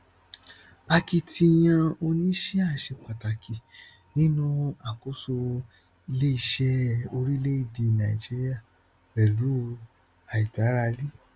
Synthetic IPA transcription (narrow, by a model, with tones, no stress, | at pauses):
a˧ki˧tʰi˧j̃ã˧o˧nĩ˦ʃi˦a˦˨ʃe˧k͡pa˨ta˨kʰi˨ | nĩ˦nũ˦a˨ko˨˦so˧ | i˧le˦i˧ʃɛ˦o˧ɾi˦le˦i˦˨di˧˨˧nã˨ḭ˨d͡ʒi˦ɾi˦a˦˨ | bɛ˨lu˨˦˧ | a˨i˨da˨˦ɾa˧li˦